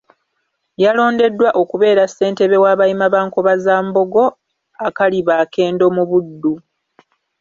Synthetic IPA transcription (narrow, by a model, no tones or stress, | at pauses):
jalo̞ːnde̞dːwaʔo̞kuβe̞ːɾasːe̞ːnte̞βe̞waːβajimaβaːŋkoβazaːmbo̞ɡo̞ | akaliβaːke̞ːndo̞muβudːu